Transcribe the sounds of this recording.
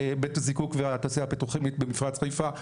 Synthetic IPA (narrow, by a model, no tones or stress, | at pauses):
betazikukveat̪aːsijaapit̪uχemit̪̚bemifʁat͡sχajfa